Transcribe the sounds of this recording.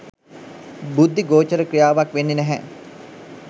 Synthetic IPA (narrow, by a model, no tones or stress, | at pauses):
bud̪ʱːiɡoːt͡ʃəɾəkɾijaːʋakʋenːenæɦɛ